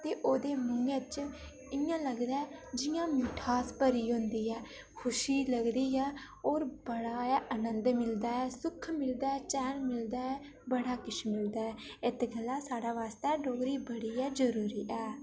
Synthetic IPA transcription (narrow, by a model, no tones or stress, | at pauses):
t̪eːʔoːd̪eːmʊŋɡeːt͡ʃ | ɪjãːləɡd̪aːɛːd͡ʒɪjãːmɪːʈʰaːspəɾiːɦʊ̃nd̪iːɛː | kʰʊʃiːləɡd̪iːɛː | oːɾbəɽaːɛːʔənə̃nd̪mɪld̪aːɛːsʊkʰmɪld̪aːɛːt͡ʃɛːnmɪld̪aːɛː | bəɽaːkɪt͡ʃʰmɪld̪aːɛːɪt̪ɡəlːãːsaːɽaːʋaːst̪ɛːɖoːɡɾiːbəɽiːɛːd͡ʒəɾuːɾiːʔɛː